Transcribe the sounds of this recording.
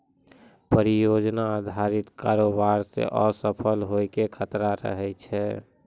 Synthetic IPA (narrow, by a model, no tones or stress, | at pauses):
pəɾijod͡ʒnaːd̪ʱaɾit̪kaɾobaɾsḛʔɔsəpʰəlɦojkekʰət̪ɾaɾə̰ɦɛjt͡ʃʰɛ